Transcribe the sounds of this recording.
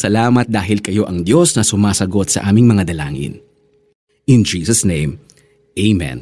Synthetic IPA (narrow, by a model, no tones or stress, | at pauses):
sɐlaːmɐt̪̚d̪aːɦɪlkɐjo̞ʔɐŋd̪jo̞snɐsʊmaːsɐɡo̞t̪̚sɐ̰ʔaːmɪŋmɐŋad̪ɐla̰ːŋɪ̰n | ʔɪnd͡ʒiːsɐsnẽjm | ʔejmɛ̰̃n